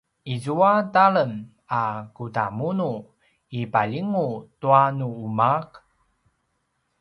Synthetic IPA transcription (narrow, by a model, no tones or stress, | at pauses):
izuataɭəm | akuta̰munu | ipaʎiŋutuanuumak